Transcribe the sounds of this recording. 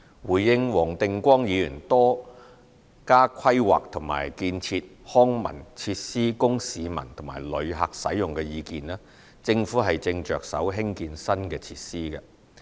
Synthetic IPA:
wuː˨˩jjɪ˧ŋwɔː˨˩ŋt̪ɪ˧ŋkʷɔː˥ŋjiː˨˧jyː˨˩nt̪ɔː˥ | kaː˥kʷʰɐ˥jwa̰ː˨k̚t̪ʰʊ˨˩ŋma̰ː˨˩jkiː˧nt͡sʰiː˧t̚hɔː˥ŋmɐ̰˨˩nt͡sʰiː˧t̚siː˥kʊ˥ŋsiː˨˧mɐ̰˨˩nt̪ʰʊ˨˩ŋma̰ː˨˩jlɵ˨˧ɥɦɐ̰˨k̚sɐ̰˨˥jʊ˨ŋkɛ˧jiː˨˧kiː˨nɛː˥ | t͡sɪ˧ŋfuː˨˥ɦɐ˨jt͡sɪ˧ŋt͡ʃœː˨k̚sɐ̰˨˥wɦɪ˥ŋkiː˧nsɐ˥nkɛː˧t͡sʰiː˧t̚siː˥kɛ˧

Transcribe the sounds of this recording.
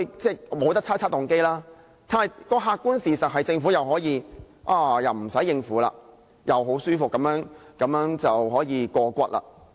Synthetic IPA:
t͡sɛː˥˩mo˨˧wt̪ɐ˥k̚t͡sʰaː˥t͡sʰaː˥t̪ʊ˨ŋke˥jlaː˥ | t̪ʰaː˧˨˩kɔː˧ɦaː˧kːuː˥nsiː˨˩sɐ˨t̚ɦɐ˨jt͡sɪ˧ŋfuː˨˥jɐ˨wɦɔː˨˥jiː˧ | ʔaː˧jɐ˨˩wm̩˨˩sɐ˨˥jːɪ˧ŋfuː˨˥la̰ː˧ | jʔɐ˨˩wɦo˨˥wsyː˥fʊ˨kːɐ˨˧˥mjœː˨˥ŋkɐ˨˥mjœː˨˥ŋt͡sɐ˨whɔː˨˥jiː˨˧kɔː˧kʷɐ˧˥t̚la̰ː˧

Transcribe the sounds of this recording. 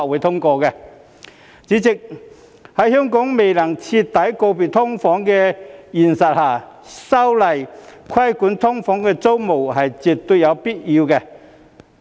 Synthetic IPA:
wuː˨˥jt̪ʰʊ˥ŋkɔː˧kɛ˧ | t͡siː˨˥t͡sɪ˨k̚ | hɐ˨˥jhœː˥ŋkɔː˨˥ŋme˨jlɐ˨˩ŋt͡sʰi˧tt̪ːɐ˨˥jko˧wpiː˨˩t̪ʰʊ˥ŋfɔː˨˥ŋkɛ˧jiː˨˩nsɐ˨t̚haː˨˩ | sɐ˥wlɐ˨jkʰɐ˥jkuː˨˥nt̪ʰʊ˥ŋfɔː˨˥ŋkɛː˧t͡so˥wmo˨˩whɐ˨jt͡si˨˩p̚t̪ʊ˧jɐ˨˧wpiː˥t̚jiː˧wkɛ˧

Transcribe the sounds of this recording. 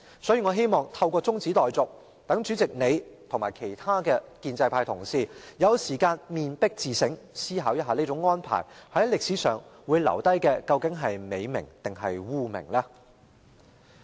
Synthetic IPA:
sɔː˨˥jiː˨˧ŋɔː˨˧ɦe˥jmɔː˨˩ŋt̪ʰɐ˧wkʷɔː˧t͡sʊ˥ŋt͡siː˨˥t̪ɔː˨jt͡sʊ˨k̚ | t̪ɐ˨˥ŋt͡ʃyː˨˥t͡sɪ˨k̚ne˨˧jt̪ʰʊ˨˩ŋmaː˨˩jkʰe˨˩jt̪ʰaː˥kɛː˧kiː˧nt͡sɐ˧jpʰaː˧jt̪ʰʊ˨˩ŋsiː˨˩jɐ˨˧wsiː˨˩kaː˧nmiː˨npɪ˥k̚t͡siː˨sɪ˨˥ŋsiː˥ɦaː˨˥wjɐ˥t̚ɦaː˧ni˥t͡sʊ˨˧˥ŋːɔː˥npʰa̰ː˨˩jhɐ˨˥jlɪ˨k̚siː˨˥sœː˨ŋwu˨˧jlɐ̰˨˩wt̪ɐ˥jkɛː˧kɐ˧wkɪ˨˥ŋɦɐ˨jme˨˧jmɪ̰˨˩ŋt̪ɪ˨ŋɦɐ˨jwuː˥mɪ̰˨˩ŋlaː˥

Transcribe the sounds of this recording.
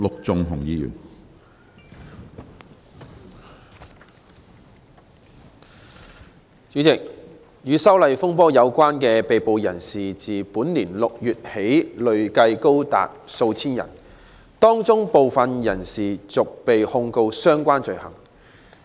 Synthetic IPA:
lʊ˨k̚t͡sʊ˨ŋɦʊ˨˩ŋjiː˧jy̰ː˨˩n | t͡syː˨˥t͡sɪ˨k̚ | jyː˨˧sɐ˥wlɐ˨jfʊ˥ŋpɔː˥jɐ˨˧wkʷaː˥nkɛː˧pe˨jpo˨wjɐ̰˨˩nsiː˨t͡siː˨puː˨˥nliː˨˩nlʊ˨k̚jyː˨t̚he˨˥jlɵ˨ɥkɐ˧jko˥wt̪a̰ː˨t̚so˧wt͡sʰiː˥njɐ̰˨˩n | t̪ɔː˥ŋt͡sʊ˥ŋpo˨wfɐ˨njɐ˨˩nsiː˨˩t͡sʊ˨k̚pe˨jhʊ˧ŋko˧wsœː˥ŋkʷaː˥nt͡ʃɵ˨˧ɥhɐ̰˨˩ŋ

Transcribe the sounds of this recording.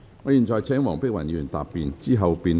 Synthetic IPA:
ŋɔː˨˧jiː˨˩nt͡sɔː˨˧jt͡sʰɛː˨˥ŋwɔː˨˩ŋpɪ˥k̚wɐ˨˩njyː˨˩nt̪a̰ː˨pːiː˨˧nt͡siː˥ɦɐ˨wpiː˧n

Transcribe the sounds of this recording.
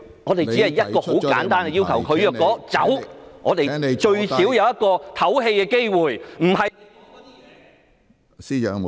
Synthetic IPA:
ŋɔː˨˧t̪e˨jt͡si˨˥ɐ˨˩jjɐ˥t̚kɔː˧ho˨˥wkka̰ː˨˥nt̪aː˥nɡɛ˧jiː˥wkʰɐ˨˩wkʰɵ˨˧ɥjœː˧kːɔː˨˥t͡sɐ˨˥wŋɔː˨˧t̪e˨jet͡ʃɵ˧ɥssi˨˥wjɐ˨˧wjɐ˥t̚kɔː˧t̪ʰɐ˨˥wɦe˧jkɛː˧ke˥jwuː˨˩jm̩˨˩ɦɐ˨

